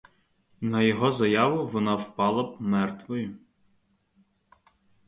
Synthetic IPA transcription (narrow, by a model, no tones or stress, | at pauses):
nɐjɔɦɔzɐjɑʋʊʋɔnɑwpɑlˠɐbmɛrt̪ʋɔjʊ